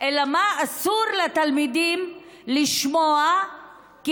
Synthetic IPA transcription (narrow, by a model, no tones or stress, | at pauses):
ʔelamaːsuʁlet̪almid̪im | liʃmoa | ki